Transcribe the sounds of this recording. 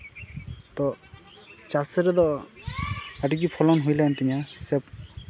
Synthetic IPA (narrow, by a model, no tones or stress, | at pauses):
t̪ɔ | t͡ʃasɛɾɛd̪ɔ | aʈiɡipʰɔlɔnɦujlajnt̪iɲasɛp